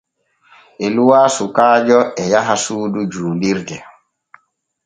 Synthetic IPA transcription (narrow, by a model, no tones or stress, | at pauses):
ʔɛluwaːsukaːd͡ʒɔɛjaɦasuːdud͡ʒuːliɾdɛ